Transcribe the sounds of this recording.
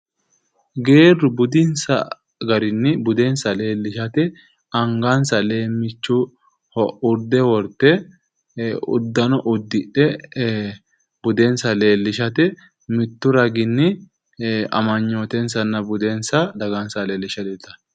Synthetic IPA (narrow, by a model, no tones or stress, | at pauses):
ɡe̞ːrʊbʊd̪ɪnsɐ̰ | ɡɐɾɪnːɪbʊd̪ensɐle̞ːlːɪʃɐt̪ɛ | ɐŋɡɐnsɐle̞ːmːɪt͡ʃːʊ | hɔʔʊɾd̪ɛwɔɾt̪ːɛ | ʊ̰d̪ːɐnɔʔʊd̪ːɪᶑɛ | bʊd̪ɛnsɐle̞ːlːɪʃɐt̪ɛ | mɪt̪ːʊɾɐɡɪnːɪ | ɐ̰mɐɲːoːt̪ɛnsɐnːɐbʊd̪ensɐd̪ɐɡɐnsɐleːlːɪʃɐd̪ɛt̪ːɐ̥